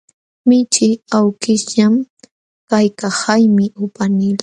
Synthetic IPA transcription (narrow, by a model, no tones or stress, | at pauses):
mɪt͡ʃɪawkɪʎam | kajkahajmɪʊpanɪla